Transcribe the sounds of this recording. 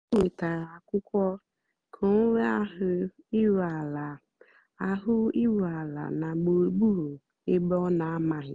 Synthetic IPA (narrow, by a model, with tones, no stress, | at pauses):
we˨ta˨ɾa˨a˨kʊ˦kʷɔ˦ | kʰo˨ŋo˦we˦a˦ɦʊ˦ | i˦wa˨la˨ | a˨ɦʊ˦i˦wu˨a˨la̰˨na˨ɡ͡bo˨ɡ͡bu˦ɾo˨ | e˦ɡ͡bɔ˦na˨a˦ma˨ɦɪ˨